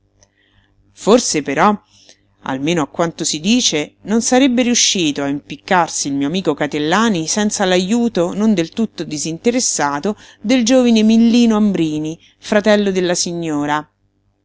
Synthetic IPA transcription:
forsepeɾɔ | a̰lmeːnoakːwant̪osid̪iːt͡ʃenonsaɾebːeɾiuʃːiːt̪oaimpikːarsiːlmiːoamiːkokat̪elːaːnisɛnt̪salajuːt̪onond̪elt̪ut̪ːod̪izint̪eɾesːaːt̪o | d̪eld͡ʒoːvinemilːiːnoambɾiːni | fɾat̪ɛlːod̪elːasiɲːoːɾa

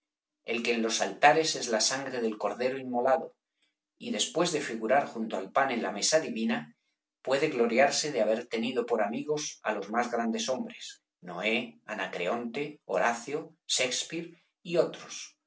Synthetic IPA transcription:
e̞lke̞ːnlo̞salt̪aɾe̞se̞zlasaŋɡɾe̞ðe̞lko̞ɾðe̞ɾoimmːo̞laðo̞ | iðe̞spwe̞zðe̞fiɣ̞uɾaɾxunt̪oalpanẽ̞nlame̞saðiβina | pwe̞ð̞e̞ɣlo̞ɾjaɾse̞ðeaβ̞e̞ɾt̪e̞niðo̞po̞ɾamiɣ̞o̞sa̰lo̞zmazɣɾand̪e̞so̞mbɾe̞s | no̞̰e̞anakɾe̞o̞nt̪e̞oɾaθjoʃe̞kspiɾ | io̞t̪ɾo̞s

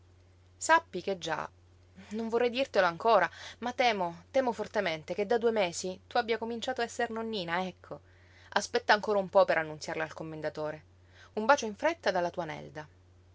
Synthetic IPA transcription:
sapːiked͡ʒːa̰ | noɱvorːɛjd̪irt̪eloaŋkoːɾamat̪ɛːmot̪ɛːmofort̪ement̪eked̪ːad̪uemeːsit̪uabjakomint͡ʃaːt̪oaɛsːernonːiːnaɛkʰːo | aspɛt̪ːaːŋkoːɾaumpɔpeɾʔanːunsjarlealkomːend̪at̪oːɾe | umbaːt͡ʃoiɱfɾet̪ːad̪alːat̪uːanɛ̰ld̪a

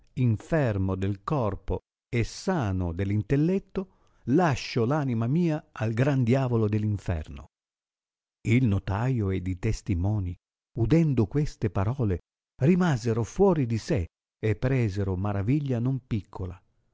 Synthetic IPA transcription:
iɱfɛrmod̪elkɔrpo | ɛsaːnod̪elːint̪elːɛt̪ːo | laʃːolaːnimamiːaalɡɾand̪jaːvolod̪elːiɱfɛ̰rno̰ | ilnot̪ajoed̪it̪est̪imɔːni | ud̪ɛnd̪okwest̪epaɾɔːle | rimazeɾofwɔːɾid̪ise | epːɾɛːzeɾomaɾaviʎːanompikʰːola

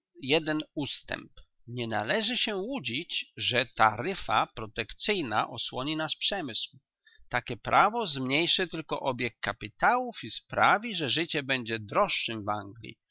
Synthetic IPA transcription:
jɛd̪ɛnust̪ɛ̰mp | ɲɛnalɛʐɘɕɛwud͡ʑit͡ɕʐɛt̪aɾɘfapɾɔt̪ɛkt̪sɘjna̰ʔɔswɔɲinaspʂɛmɘsw | t̪akʲɛpɾʔavɔzmɲejʂɘt̪ɘlkɔ̰ʔɔbʲjɛkːapʲit̪awufispɾavʲiʐɛʐɘt͡ɕɛbɛɲd͡ʑɛd̪ɾɔʂːɘmva̰ŋɡlʲḭ

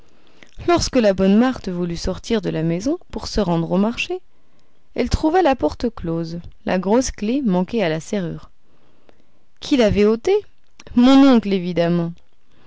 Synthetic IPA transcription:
lɔʁskəlabɔnmaʁt̪əvulysɔʁt̪iʁd̪əlamɛzɔ̃puʁsəʁɑ̃d̪ʁomaʁʃe | ɛlt̪χuvalapɔʁt̪əklozla̰ɡʁosklemɑ̃kealaseʁy̰ːʁ | kʲʰilavɛot̪e | mɔ̃nɔ̃klevid̪amɑ̃

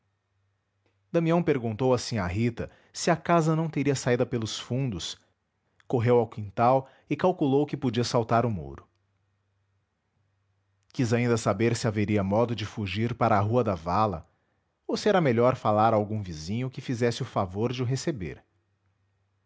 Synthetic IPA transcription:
d̪̥ɐ̃miɐ̃w̃peɾɡũnt̪owasĩaɦit̪ɐ | sɪɐkazɐnɐ̃w̃t̪eɾiɐsaid̪ɐpelʊsfũnd̪ʊs | koɦewawkĩnt̪aw | ɪkawkulowkɪpod͡ʒiɐsawt̪aɾʊmo̰ɾʊ | kizaĩnd̪ɐsabeɾsɪaveɾiɐmɔd̪ʊd͡ʒɪfuʒiɾpaɾɐːɦuɐd̪ɐvalɐ̰ | osɪɛɾɐmeʎɔɾfalaɾawɡũvizĩɲʊkɪfizɛsɪʊfavoɾd͡ʒɪʊɦesebḛɾ

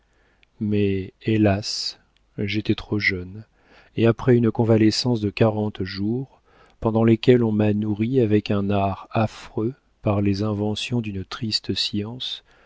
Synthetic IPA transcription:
mɛelas | ʒet̪ɛt̪χoʒœn | eapχɛynkɔ̃valɛsɑ̃sd̪əkaʁɑ̃t̪ʒuʁ | pɑ̃d̪ɑ̃lekʲɛlɔ̃manuʁiavɛkɛ̃naʁafχø | paʁlezɛ̃vɑ̃sjɔ̃d̪ynt̪χist̪siɑ̃s

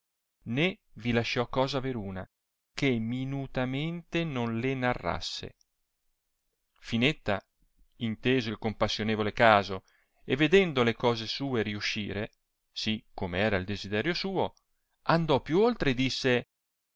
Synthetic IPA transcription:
nevilaʃːɔkːɔːzaːveɾuːna | keminut̪ament̪enonlenarːa̰sːḛ | finet̪ːa | int̪eːzoilkompasːjoneːvolekaːzo | evːed̪ɛnd̪olekɔːzesuːeɾiuʃːḭːɾe | sikːomeɛːɾaild̪ezid̪ɛːɾjosuːo | and̪ɔpːjuolt̪ɾed̪isːe

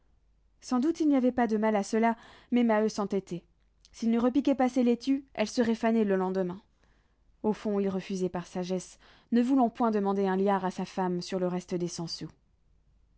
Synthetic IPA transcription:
sɑ̃d̪ut̪ilniavɛpad̪əmalasəlamɛmaøsɑ̃t̪ɛt̪ʰɛ | silnəʁəpikʲɛpasɛlet̪yɛlsəʁɛfanɛləlɑ̃d̪əmɛ̃ | ofɔ̃ilʁəfyzɛpaʁsaʒɛs | nəvulɑ̃pwɛ̃d̪əmɑ̃d̪eɛ̃ljaʁasafamsyʁləʁɛst̪əd̪esɑ̃so

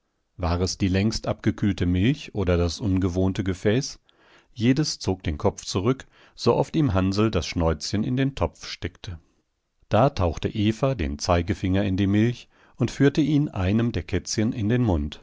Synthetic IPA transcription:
vaːʁɛsd̥iːlɛŋstʔa̰pɡ̥əkʰyːltəmɪlçʔoːdɐdasʔʊnɡəvoːntəɡəfɛːs | jeːdəst͡soːk̚d̥eːnkʰɔp͡ft͡suʁʏk | z̥oʔɔftiːmɦanzl̩dasʃnɔʏt͡sçənɪ̰ndeːntʰɔp͡fʃtɛktʰə | d̥aːtʰaʊxtəʔeːfadḛːnt͡saɪɡəfɪŋɐɪndiːmɪlç | ʊntfyːɐtəʔiːnʔa̰ɪnəmdeːɐkʰɛt͡sçənʔɪndeːnmʊnt

